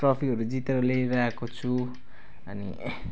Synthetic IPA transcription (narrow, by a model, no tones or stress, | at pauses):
rʌpʰiɦʌɾud͡zit̪eɾʌleɾʌekot͡sʰu | ʌnḭ